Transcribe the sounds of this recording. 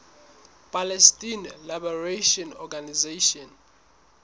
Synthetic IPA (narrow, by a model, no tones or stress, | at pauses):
pʼalɛstʼinlabɔreʃɔnɔɡanizeʃɔn